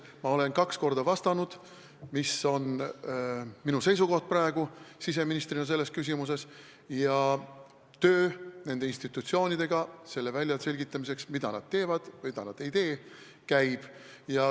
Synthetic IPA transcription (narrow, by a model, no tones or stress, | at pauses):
mɑo̞le̞nkɑksko̞rd̪̥ɑvɑst̪ɑnud̪̥ | miso̞n | minuse̞js̬uko̞ht̪̚prɑeɡ̥usis̬e̞minist̪rinɑs̬e̞lːe̞skys̬ʲimus̬e̞s | jɑ | t̪ø̞ːne̞nd̪einst̪it̪ːˑut̪sio̞ːnʲid̪̥e̞ɡ̥ɑse̞lːe̞vælʲjɑse̞lʲɡit̪ːˑɑmis̬e̞ksmid̪̥ɑ̰nɑ̰d̪̥̚t̪e̞ːvɑd̪̥vɯjd̪ɑnɑd̪e̞jt̪e̞ː | kæjb̥ | jɑ